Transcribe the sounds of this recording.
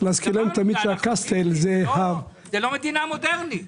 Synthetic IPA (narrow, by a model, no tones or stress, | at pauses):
lazkilemt̪amid̪ʃeakast̪elzeha | zelomed̪inamod̪eʁni